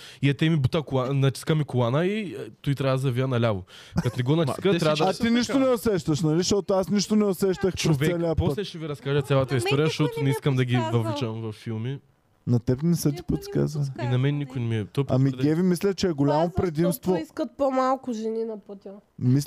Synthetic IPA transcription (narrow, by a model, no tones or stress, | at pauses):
iɐt̪ɛmibut̪ɐkʊlˠanɐt͡ʃ̪iskəmikʊlˠanəit̪ɔit̪ɾʲavzɐviənɐlʲavo | kɐt̪nɛɡɔnɐt͡ʃiskɐɛɾad̪ɐɐt̪iniʃt̪onɛʊsɛʃt̪əʃnɐliʃt̪ɔt̪ʊasniʃt̪onɛʊsɛʃt̪əxpɾosvɛsɛliəpɔst̪lɛʃɛviɾɐskaʒət̪sʲalˠɐt̪ɐist̪ɔɾʲijəʃt̪ɔt̪ʊnɛiskəmd̪ɐɡʲivɐvlit͡ʃəmvɐfːilˠmi | nɐt̪ɛpnɛsət̪̬i̥pət̪i̥ka̰zvɐniinɐmɛnnikʊjnɛmiɛt̪ɔpɐ̰miɡʲɛvimislʲɐt͡ʃɛːɡolʲamopɾɛd̪imst̪voiskt̪̚pomalˠkʊʒɛninɐput̪ʲmis